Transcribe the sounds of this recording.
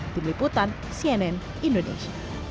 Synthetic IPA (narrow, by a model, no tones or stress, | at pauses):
d̪̥imliput̪an | siɛnɛn | indonḛʃa